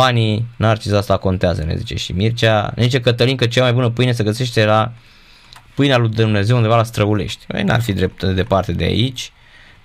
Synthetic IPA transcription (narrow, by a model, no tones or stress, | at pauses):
aninart͡ʃizast̪ako̞nt̪eazə̰nḛzit͡ʃe̞̰ʃḭmirt͡ʃʲanezit͡ʃekət̪əlinkət͡ʃeamajbunəpɨjnes̬eɡəse̞ʃt̪e̞la | pɨjnealujd̪umne̞ze̞wund̪evalast̪ɾəule̞̰ʃt̪ʲḛna̰rfid̪ɾep̚t̪d̪e̞part̪e̞d̪ea̰it͡ʃʲ